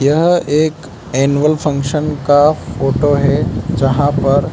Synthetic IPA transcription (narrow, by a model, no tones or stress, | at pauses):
jɐɦeːk | eːnʋəlpʰɐ̃ŋkʃənkafʰoːʈoɦɛd͡ʒɐɦãpɐɾ